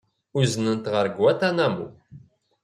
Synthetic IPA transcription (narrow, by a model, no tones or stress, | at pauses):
uznənt̪ʁəɾɡwæt̪ænæmṵ